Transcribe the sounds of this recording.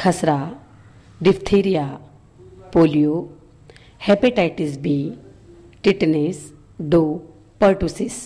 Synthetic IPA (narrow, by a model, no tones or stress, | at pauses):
kʰɐsɾa | ɖift̪ʰiɾija | polijo | hepeʈajʈisbi | ʈiʈnes | ɖo | pəɾʈusis